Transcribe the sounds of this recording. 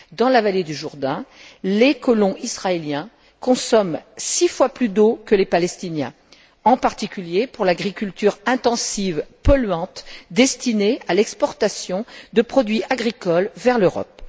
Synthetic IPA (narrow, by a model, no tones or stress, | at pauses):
d̪ɑ̃lavaled̪yʒuʁd̪ɛ̃lekɔlɔ̃ʔisχaeljɛ̃ | kɔ̃sɔmsifwaplyd̪okəlepalɛst̪injɛ̰̃ | ɑ̃paʁt̪ikʲyljepuʁlaɡʁikʲylt̪yʁɛ̃t̪ɑ̃sivpɔlɥɑ̃t̪d̪ɛst̪inealɛkspɔʁt̪asjɔ̃d̪əpχɔd̪ɥiaɡʁikɔlvɛʁløʁɔ̰p̚